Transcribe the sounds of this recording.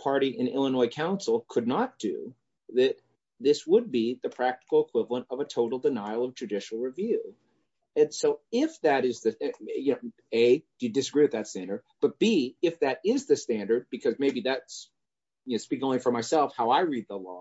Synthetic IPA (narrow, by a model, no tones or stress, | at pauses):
pʰɑɹɾiʔɨ̃nɪ̰lˠənɔɪkʰãʊ̃nsl̩ˠkʰɨdⁿnət̚d̥ɨ̰ | ðɨt̪̚ | ðɪswəd̚biðɨpʰɹ̥æk̚tə̥kl̩ˠəkʰw̥ɪvlˠə̃ntʌvətʰoʊɾl̩ˠdɨnaɪlˠʌvd͡ʒɨdɪʃl̩ˠɹɨvjʉ | ɨ̃nsoʊɪfðɨɾɪzðɨjɨnoʊ | eɪd̥ɨjɨdɨsəɡɹiwɨðɨtstæ̃ndə˞d̚b̥ʌt̚b̥iɪfðɨɾɪzðɨstæ̃ndə˞d̚bɨkʰʌzmeɪbiðæts | jɨnoʊspikɪ̃ŋõʊ̃nlifə˞maɪsɛlˠfhaʊaɪɹid̪̚ðəlɔ̰